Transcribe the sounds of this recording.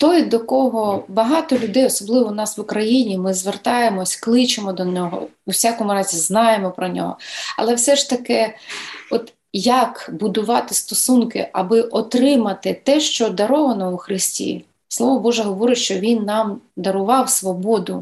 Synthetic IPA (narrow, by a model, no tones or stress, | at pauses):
t̪ɔjd̪ɔkɔɦɔbɐɦɑt̪ɔlʲʊd̪ɛjɔsɔblˠɪʋɔnɑsʋʊkɾɐjinʲimɪzʋert̪ɑjemɔsʲklˠɪt͡ʃemɔd̪ɔnʲɔɦɔ̰ | ʊwsʲɑkɔmʊɾɑzʲiznɑjemɔpɾɔnʲɔ̰ɦɔ̰ɐ̰lˠɛwsɛʃt̪ɐkɪ | ɔt̪ | jɐkbʊd̪ʊʋɑt̪ɪst̪ɔsunkɪ̰ʔɐbɪʔɔt̪ɾɪmɐt̪ɪt̪ɛʃt͡ʃɔd̪ɐɾɔʋɐnɔʊxɾɪsʲtʲḭ | slˠɔʋɔbɔʒɛɦɔʋɔɾɪtʲʃt͡ʃɔʋʲinːɑmd̪ɐɾʊʋɑwsʋɔbɔd̪ʊ